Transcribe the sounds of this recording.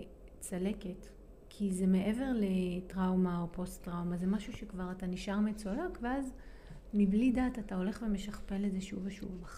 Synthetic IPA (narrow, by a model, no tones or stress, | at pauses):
t͡sale̞ket | kʰizeme̞ʔe̞ve̞ʁle̞tʁawmao̞po̞stʁawmazemaʃuʃekvaʁataniʃaʁmet͡solakveaz | miblidaːtatao̞le̞χve̞me̞ʃaχpe̞lezeʃuveʃṵvaχ